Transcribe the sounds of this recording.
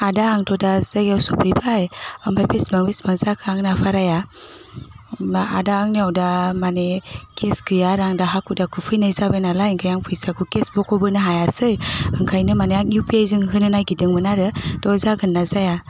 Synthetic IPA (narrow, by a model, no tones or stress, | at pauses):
adaːŋtʰɔdazaɡawsɔpʰɯjbajampʰajpismaŋbismazakʰɯaŋnapʰaɾaja | baadaːŋniawdamanekʰeskʰɯjaɾaŋdaɦakʰudakʰɯpʰɯjnɯjzabajnalajiŋkʰajaŋpʰɯjsakʰukesbɔkʰɔbɯnɯɦajasɯjɯŋkʰajnɯmaneaŋjupiajzɯŋɦɯnɯnajɡidɯŋmɯnaɾɯtɔzaɡɯnːazaja